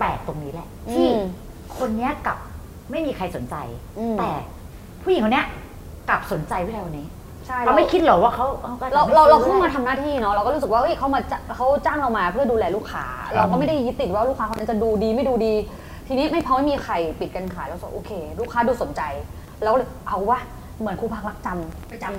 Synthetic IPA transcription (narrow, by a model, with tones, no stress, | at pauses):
pɛː˨˩k̚t̪o˧ŋniː˦˥lɛ˧˩ʔt̪ʰiː˥˩ | kʰo˧nːi˦˥ɐka˨˩p̚ | ma˥˩jmiː˧kʰa˧jso˩˦nt͡ɕa̰˧jt̪ɛː˨˩ | pʰuː˥˩˨i˨˦ŋkʰni˦˥ɐ˧ | kla˨˩p̚so˩˦nt͡ɕa˧jwi˥˩la˧wa˧nːiː˦˥ | t͡ɕʰa˥˩ja˧˦ma˥˩kʰi˦˥t̪̚lɔ˨˦˩waː˥˩kʰa˦˥wʔaː˧˩kɔː˥˩ɾa˧wɾa˧wɾa˧wkʰuː˥˩maː˧t̪ʰa˧mnaː˥˩t̪ʰiː˥˩nɔ˦˥ɾa˧wkɔ˥˩ɾu˦˥sɯ˨˩kwaː˥˩ʔɤ˦˥˩jkʰa˦˥wmaː˧t͡ɕa˧˩kʰa˦˥wt͡ɕaː˥˩ŋɾa˧wmaː˧pʰɯ˥˩ɐduː˧lɛː˧luː˥˩kʰːa̰ː˦˥ɾa˧wkɔː˥˩ma˥˩jda˥˩jːi˦˥t̪ːi˨˩waː˥˩˧luː˥˩kʰaː˦˥ka˧na˦˥t͡ɕa˨˩duː˧diː˧ma˥˩jduː˧diː˧ | t̪ʰiː˧ni˦˥ma˥˩jpʰɔ˧˦ma˥˩jmiː˧kʰa˧jpi˨˩ka˧nkʰaː˨˦jlɛ˦˥sa˨˩ʔoː˧kʰeː˧luː˦˥kʰaː˦˥duː˧so˨˩˦nt͡ɕa˧j | lɛː˦˥kːʔa˧wwaː˥˩ | mɯ˩˦ənkʰuː˧pʰa˦˥˩k̚la˦˥k̚t͡ɕa˧mma˥˩jt͡ɕa˧m